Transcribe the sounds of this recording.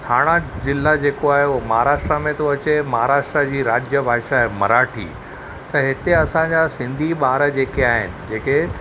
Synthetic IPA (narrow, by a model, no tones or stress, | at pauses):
t̪ʰaːɽ̃ad͡ʑɪlːad͡ʑeːkoaːɦemɐɦaːɾaːʂʈɾamẽt̪oɐt͡ɕemɐɦaɾaːʃʈɾad͡ʑiːɾaːd͡ʑjəbʱaːʃaɦemɐ̰ɾaːʈʰḭː | t̪ɐɦɪt̪eɐsãɲd͡ʑasɪ̃nd̪ʱiɓaːɾəd͡ʑeːkeaːɦɪ̰nɪ̆d͡ʑeːke